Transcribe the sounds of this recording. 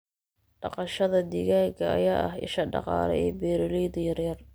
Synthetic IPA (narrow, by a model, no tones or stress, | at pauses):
ɖɑqɑʃɐðɐd̪ɪɣaːɡɐɐ̰jaːʔɐhɪ̰ʃɐɖɑ̰qɑ̰ːlɛ̰ɛːbɛːɾɪlɛjd̪ɐjɐrjɐr